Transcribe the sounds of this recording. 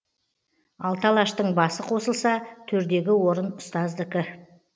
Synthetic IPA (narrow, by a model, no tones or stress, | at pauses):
ɑlˠt̪ʰɑlˠɑʃt̪əɴbɑsəqʰo̞səlˠsɑt̪ʰɵɾd̪e̞ɡʲɪwo̞ɾənʊst̪ɑzd̪ɪkʲɪ